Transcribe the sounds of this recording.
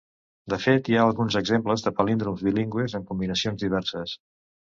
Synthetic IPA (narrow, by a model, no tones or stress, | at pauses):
d̪əfet̪jaəlˠɣunzəɡzempləzðəpəlind̪ɾumzβiliŋɡwezəŋkumbinəsionzðiβ̞ɛrsəs